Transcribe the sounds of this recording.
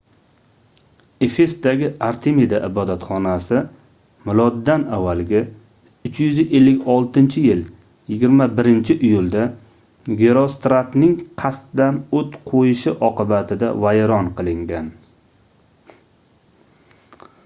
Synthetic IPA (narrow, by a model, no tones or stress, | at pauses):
e̞fe̞st̪d̪aɡʲɪaɾt̪ʰemid̪aʔɪbɒd̪at̪χɒnasɪ | mɪlˠɒd̪ːanavːalɡʲa | ʊt͡ʃjʏzɪʔelːɪkʲɒlˠt̪ʰɪnt͡ʃʰɪjɪl | jɪɡʲɪɾmabɪɾɪnt͡ʃʰɪʔɪjʊlˠd̪a | ɡʲeɾost̪ɾat̪nɪŋqʰast̪d̪anot̪qʰojɪʃɪʔɒqɨbat̪ʰɪd̪a̰vajɾɒnqɨlˠɪŋɡʲan